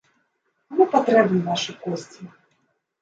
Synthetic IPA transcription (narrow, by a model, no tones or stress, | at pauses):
amupat̪ɾɛbnɨnaʂɨkɔsʲt͡sʲi